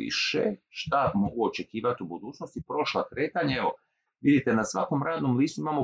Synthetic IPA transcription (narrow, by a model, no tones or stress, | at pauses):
ḭʃḛʃt̪amo̞ɡuot͡ʃe̞kiːʋat̪iubud̪uːt͡ʃnost̪ipɾo̞ʃlakɾe̞ːt̪aɲaeʋo̞ | ʋid̪it̪e̞nasʋako̞mɾaːd̪nomliːst̪uimamo̞